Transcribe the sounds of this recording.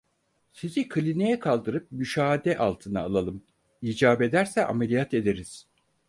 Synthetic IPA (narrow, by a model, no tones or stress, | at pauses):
sizikʰɯlʲinejɛkʰalˠd̪ɯɾɯp̚myʃaːd̪ɛʔalˠt̪ʰɯna̰ːlˠalˠɯm | iːd͡ʒaːbe̞d̪æɾsɛʔa̰melʲijat̪e̞d̪eɾiz̥